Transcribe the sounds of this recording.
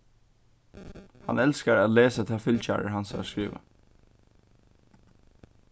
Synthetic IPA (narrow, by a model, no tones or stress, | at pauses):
hɑ̰nɛlskəɾaːleːsət̪ʰɛːfʏlc͡çæ̰ːɹə̰ɹɦɑnsskɹiːʋə̰